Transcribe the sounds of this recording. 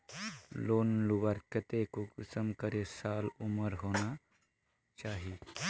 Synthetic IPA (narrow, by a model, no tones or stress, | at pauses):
loːnluʋaɾkət̪ekukusəmkəɾesaluməɾɦona | t͡ʃaːɦi